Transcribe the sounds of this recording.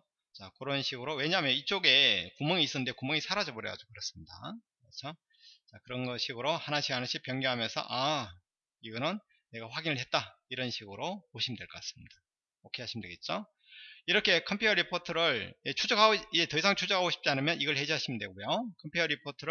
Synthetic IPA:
t͡ɕakɯɾʌnɕʰiɡɯɾowe̞ɲaɦːmjʌnit͡ɕ͈oɡe̞kumʌŋiːs͈ɯnɯnde̞kumʌŋisʰaɾad͡ʑʌboɾjʌ̰ja̰d͡ʑokɯɾʌs͈ɯmɲida̰ | ʌt͡ɕʰo | t͡ɕakɯɾʌnɡʌɕʰiɡɯɾohanaɕʰiɦanaɕʰipjʌŋɡjuɦamjʌnsʰʌ̰ʔa | iɡʌnɯnː | e̞ɡaɸwaɡinɯɭhet̚t͈aiɾʌnɕʰiɡɯɾomoɕʰimndwe̞ɭk͈ʌk͈as͈ɯ̥mɲida | ʌkʰeɦaɕʰimndweɡet̚t͡ɕ͈o | iɾʌkʰe̞kʰʌmpʰjuʌɾipʰotʰɯɾɯɭjet͡ɕʰud͡ʑʌɡɦaoid͡ʑe̞tʌis̬ʰaŋt͡ɕʰud͡ʑʌɦaɡoɕʰi̥p̚t͡ɕ͈ianɯmjʌniɡʌɭhe̞d͡ʑiɦaɕʰimndwe̞ɡojokʰʌmpʰutʰʌɾipʰotʰɯɾɯ

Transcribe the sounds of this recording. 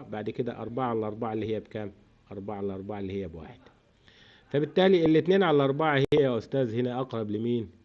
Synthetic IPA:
baʕd̪ked̪æ̰ʔɑɾˤbɑʕaʕalæʔɑɾˤbɑʕaelːiːhejːæbkæːm | ʔɑɾˤbɑʕaʕalʔɑɾˤbɑʕaʔelːiːhejːæbwa̰ːħed̪̥ | fæbɪt̪ːæːliʔelːet̪neːnʕalæʔɑɾˤbɑʕahejːææʔost̪æːzhenæʔɑqɾˤɑblɪmiːn

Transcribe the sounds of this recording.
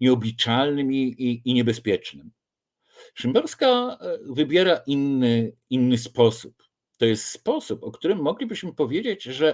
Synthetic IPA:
ɲɛɔbʲit͡ʂalnɘmiːɲɛbɛspʲjɛt͡ʂnɘm | ʂɘmbɛɾskavɘbʲjɛɾaʔinːɘinːɘspɔsup | t̪ɔjɛst̪spɔsupɔkt̪uɾɘmːɔɡlʲibɘɕmɘpɔvʲjed͡ʑed͡ʑʐɛ

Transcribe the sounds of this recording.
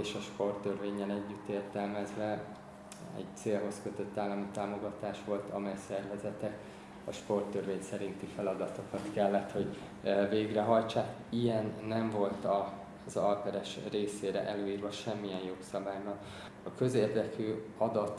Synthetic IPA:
eːʃɒʃpo̞rt̪ːørveːɲːɛlɛɟːyt̪ːeːrt̪ɛlmɛzvɛ | ɛ̰ɟt̪seːlɦo̞skø̞t̪ø̞t̪ːaːlːɒmit̪aːmo̞ɡɒt̪aːʃʋo̞lt̪ʰɒmɛjsɛrvɛzɛt̪ɛk | ɒʃpo̞rt̪ːørveːɲsɛɾint̪ifɛlɒd̪ɒt̪o̞kɒt̪kɛlːɛt̪ho̞ɟ | veːɡrɛɦɒjt͡ʃaːk | ijɛnːɛɱvo̞lt̪ɒ | zɒlkɛɾɛʃreːseːɾɛ̰ʔɛløːiːrvɒʃɛmːijɛnjo̞ksɒbaːjbɒn | ɒkø̞zeːrd̪ɛkyːɒd̪ɒt̪

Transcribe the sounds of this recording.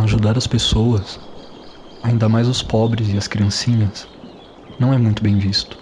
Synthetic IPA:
aʒud̪aɾɐspesowɐs | aĩnd̪ɐmajzʊspɔbɾɪzɪɐskɾiɐ̃sĩɲɐs | nɐ̃w̃ɛmũj̃t̪ʊbẽj̃vist̪ʊ̥

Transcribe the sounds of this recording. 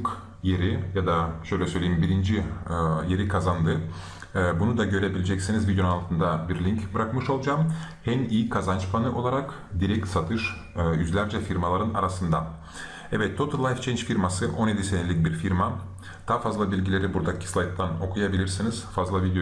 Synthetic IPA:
k | je̞ɾijad̪aʃø̞jlʲɛsø̞jlʲeimbiɾind͡ʒije̞ɾikʰazand̪ɯ | bunud̪aɟø̞ɾebilʲed͡ʒɛcsinizvid̪ʲj̪unalˠt̪ʰɯnd̪abiɾlʲiɲcbɯɾakmɯʃo̞lˠd͡ʒaːmhɛniːikʰazant͡ʃpʰanɯʔo̞lˠaɾak | d̪iɾɛc̚t̪sat̪ʰɯʃ | jyzlʲæɾd͡ʒɛfiɾmalˠaɾɯna̰ɾasɯnd̪a | ɛvɛt̪ːʰo̞t̪uɾlˠajft͡ʃʰɛnt͡ʃfiɾmasɯʔo̞nje̞d̪isenelʲic̚biɾfiɾma | d̪̥aːfazlˠabilʲɟilʲe̞ɾibuɾd̪acʰi̥slˠajt̪̚t̪ʰːano̞kʰujabilʲiɾsiniz̥fazlˠavid̪ejo

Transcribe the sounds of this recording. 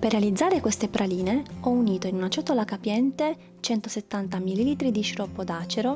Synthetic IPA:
perːealid̪zːaːɾekwest̪epɾʔaliːneɔuniːt̪oinunat͡ʃɔt̪ːolakapjɛnt̪e | t͡ʃɛnt̪oset̪ːant̪amililiːt̪ɾid̪iʃɾɔpːod̪aːt͡ʃeɾo

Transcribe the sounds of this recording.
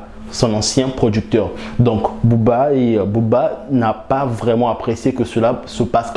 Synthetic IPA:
sɔ̃nɑ̃sjɛ̃pχɔd̪yk̚t̪œʁ | d̪ɔ̃kbubaebubanapavʁɛmɑ̃apχesjekəsəlasəpas

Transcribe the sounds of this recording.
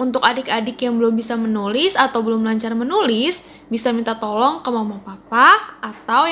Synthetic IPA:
unt̪ʊkadɪkadɪkjaŋbəlʊmbisamənulɪsat̪awbəlʊmlaɲt͡ʃarmənulɪs | bisamint̪at̪ɔlɔŋkəmamapapaat̪aw

